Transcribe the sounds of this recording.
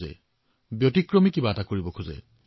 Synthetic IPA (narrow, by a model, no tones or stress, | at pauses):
ɛ̰ | bjotikɹɔmikibaːtakoɹibɔkʰuzɛ̰